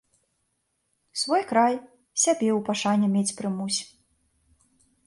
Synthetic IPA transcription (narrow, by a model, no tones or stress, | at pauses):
svɔjkɾaj | sʲabʲɛwpaʂanʲɛmʲet͡sʲpɾɨmusʲ